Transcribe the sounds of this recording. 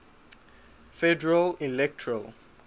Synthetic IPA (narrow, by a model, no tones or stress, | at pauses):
fɛdɛɹalilɛk̚tʰəɹal